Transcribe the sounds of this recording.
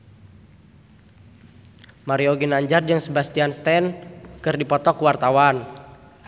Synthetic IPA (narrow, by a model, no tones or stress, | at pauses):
maɾiɔɡinaɲd͡ʒard͡ʒɨŋsəbast̪ianst̪ɛnkɨrdipɔt̪ɔkuwart̪awan